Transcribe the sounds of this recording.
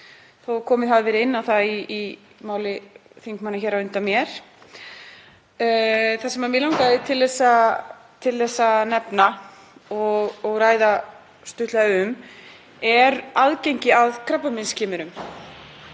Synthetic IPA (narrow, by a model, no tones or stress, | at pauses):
θowkʰɔːmɪðaðvɛɾɪɪnːawθaiː | maːwlɪθiŋkmanːaçɛɾaʏnt̪amjɛɾ̥ | θasɛmaɾmjɛlawŋkaðɪt̪ʰɪlðɛsːa | t̪ʰɪlθɛsːanɛpna | ɔɣɣraːjða | st̪ʏht̪laðaʏm | ɛɾaðcejɲcɪaðkʰɾɛpːamɪnscʰɪːmʏɾʏm